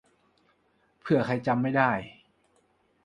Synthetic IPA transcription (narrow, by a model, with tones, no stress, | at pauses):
pʰɯ˥˩ɐka˧jt͡ɕa˧mːa˥˩jdaː˥˩j